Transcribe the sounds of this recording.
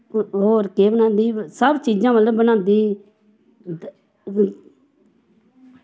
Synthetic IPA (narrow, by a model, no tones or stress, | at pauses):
ɦoːɾkeːbənãːnd̪iːsəbt͡ʃiːd͡ʒãːbəlbənãːnd̪iː